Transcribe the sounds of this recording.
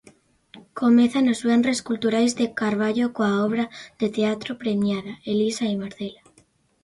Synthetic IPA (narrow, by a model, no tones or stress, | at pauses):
komeθanozβenreskult̪uɾajzðekaɾβaʎokoaoβ̞ɾaðet̪eat̪ɾopɾemjaðaelisaimaɾθela